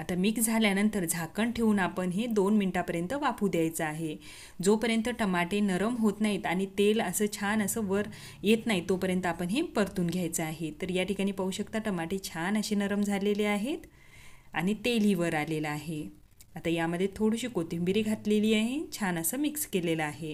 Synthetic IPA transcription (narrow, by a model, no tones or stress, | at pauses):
at̪amiksd͡zʱaljanənt̪əɾd͡zʱakəɳʈʰeuːnapəɳɦed̪onminiʈapəɾjənt̪əʋapʰuːd̪ʱjajt͡səaɦe | d͡zopəɾjənt̪əʈəmaʈenəɾəmɦot̪naɦiːt̪aɽ̃it̪eləsəːt͡ɕʰanəsəːʋəɾ | jet̪naɦit̪opəɾjənt̪əapəɳɦepəɾt̪uːnɡʱjajt͡səaɦet̪əɾjaʈikaɽ̃iːpəɦuɕəkt̪aʈəmaʈet͡ɕʰanəɕenəɾəmd͡zʱaleleaɦet̪ | a̰ɽ̃it̪elɦiːʋəɾaleləaɦe | at̪ajaməd̪ʱːjet̪ʰoɽiɕiːkot̪iumbiɾiːɡʱat̪leliːaɦet͡ɕʰanəsəːmikskeleləaɦe